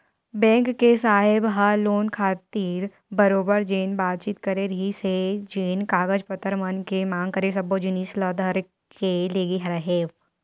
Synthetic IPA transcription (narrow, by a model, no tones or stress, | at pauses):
bɛ̃ːŋkːesaːɦɪbɦɐloːnkʰaːt̪iːɾ | bɐɾoːbəɾd͡ʒeːnbaːt̪̚t͡ʃiːt̪kɐɾeɾɐɦised͡ʒeːnkaːɡəd͡ʒpət̪əɾmənkemãːŋɡ̚kɐɾes̬ɐbod͡ʒɪniːslɐːd̪ʱəɾ | kʰeleːɡiɦɐɾɦeːf